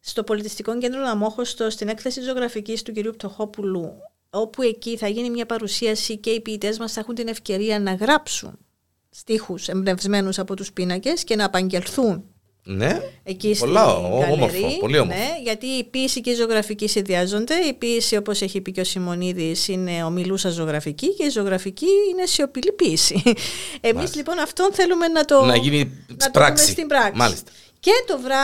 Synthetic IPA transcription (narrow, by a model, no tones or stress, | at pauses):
st̪o̞po̞lit̪ist̪iko̞ɲɟe̞nd̪ɾonɐmo̞xo̞st̪o̞st̪ine̞kθesit̪izo̞ɣɾɐficist̪uciɾiup̚t̪ʰo̞xo̞pulu | o̞pue̞ciθɐʝinimɲɐpɐɾusiɐsice̞ipiːt̪e̞zmɐsθexunt̪ine̞fce̞ɾiɐnɐɣɾɐpsṵn | st̪ixuse̞mbne̞vzme̞nusɐpo̞t̪uspinɐce̞sce̞nɐːpɐɲɟe̞lθun | neecisolɐoomɾɾioliomne̞ʝɐt̪iːpiesiceizooɣɾɐficisinðiɐzo̞nd̪e̞ipiesiopo̞se̞çipiceosimo̞niðisine̞o̞milusɐzo̞ɣɾɐficiceizoo̞ɣɾɐficiine̞sio̞pilipisiemizlipo̞nɐft̪o̞nθe̞lume̞nɐt̪o̞nɐʝininɐt̪ɾɐsmesit̪imbɾɐkmɐ̰lḭst̪ɐ | ce̞t̪o̞vɾɐ